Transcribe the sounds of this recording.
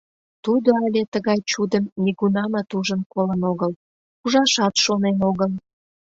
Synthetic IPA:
t̪ud̪oɑlʲet̪əɣɑjt͡ɕud̪əmːʲiɣunɑmɑt̪uʒənkolənoɣəl | kuʒɑʃɑt̪ʃonenoɣəl

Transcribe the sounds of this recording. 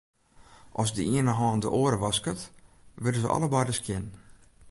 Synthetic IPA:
ʔɔsdəiənəɦɔːndə̰ʔoəɾəʋɑskət | ʋɪdəzəʔɔ̰ləbajdəskʰjɪn

